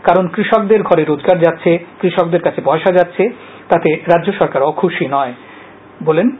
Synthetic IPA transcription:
kaɾonkɾiʃɔk̚d̪eɾɡʱɔɾeɾod͡ʑɡaɾd͡ʑat̪ːɕʰekɾiʃɔkd̪eɾkat͡ɕʰepɔeʃad͡ʑatːɕʰe | t̪at̪eɾadːd͡ʑoʃɔɾkaɾɔkʰuʃinɔe | bolen

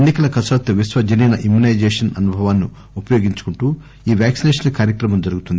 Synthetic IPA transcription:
enːikɐlɐkɐsɐt̪ːɐʋisʋɐd͡ʒɐnɐjnɐʔimjunɐjd͡ʒeːʂɐnɐnubʱɐʋaːnːi | upɐjoːɡiɲt͡ʃu̥kuɳʈuː | iːʋjaːksineːʂɐnkaːɾjɐkɾɐmɐmd͡ʒɐɾuɡut̪und̪i

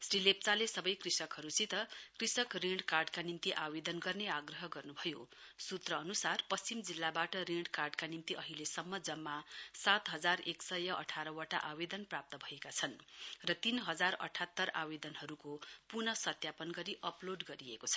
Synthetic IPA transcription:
srilep̚t͡salesʌbʌjkrisʌkɦʌɾusit̪ʌkrisʌkriɳɖkarɖkanimt̪iʔawed̪ʌnɡʌrneaɡrʌɦʌɡʌrnubʱʌjosut̪rʌːnusarpʌst͡simd͡zilːabaʈʌriɳɖkarɖkanimt̪iʔʌɦilesʌmːʌd͡zʌmːasat̪ɦʌd͡zareksʌjʌʔʌʈʰaɾʌwaʈaʔawed̪ʌnprap̚t̪ʌbʱʌekat͡sʰʌnrʌt̪inɦʌd͡zarʌ̰ʈʰat̪ːʌra̰wed̪ʌnɦʌɾukopurnʌsʌt̪japʌnɡʌɾiʔʌploɖɡʌɾiekot͡sʰʌ

